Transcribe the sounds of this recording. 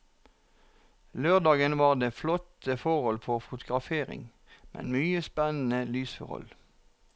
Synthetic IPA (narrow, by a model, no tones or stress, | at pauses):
løːʁd̪ɑːɡənʋɑːʁd̪eːflɔt̪əfɔʁhɔlpʰɔfʊt̪ʊɡʁɑfeːʁɪ̰ŋ | mʔɛ̰nmyːəspɛnn̩əlyːsfɔ̰ʁɔ̰l